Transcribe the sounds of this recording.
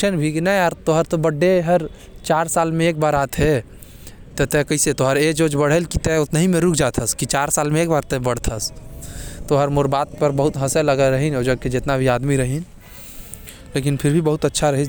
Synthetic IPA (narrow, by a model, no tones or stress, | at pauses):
ənbʱikinɐ̃aɾt̪oɦəɾt̪obɐɖːeɦɐɾ | t͡ʃaːɾsaːlmẽeːk̚baːɾaːt̪ɦe | t̪ɛt̪ekɐiset̪oɦɐɾeːd͡ʒoːd͡ʒbɐɽ̤elkit̪ɛʊt̪nəɦĩmẽɾʊkʰd͡ʒaːt̪ʰəskit͡ʃaːɾsaːlmẽeːk̚baːɾt̪ɛbɐɽ̤t̪ʰəs | t̪oɦɐɾmʊɾbaːt̪̚pɐɾbɐɦʊt̪ɦɐselɐɡaɾɐɦĩnoːd͡ʒɐɡ̚ked͡ʒɪt̪nabʱiaːd̪miɾɐɦĩn | leːk̬ɪnpʰɪɾbʱibɐɦʊt̪ɐtːʃʰaɾɐɦi